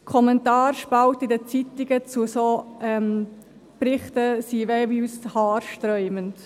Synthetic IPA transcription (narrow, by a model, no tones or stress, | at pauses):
kʰɔmɛntɑːɾʃpawtɪdət͡sit̪ɪɡət͡susoɛm | prɪχtəsivɛːvyshɑːɾʃtɾœʏmənt